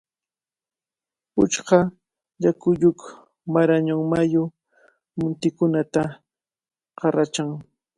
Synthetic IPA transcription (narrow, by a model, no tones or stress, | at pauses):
ʊt͡ʃɢɑ | ʎakʊʎʊk | maɾaɲaŋmajʊ | mʊnt̪ɪkʊnat̪a | qɑɾat͡ʃaŋ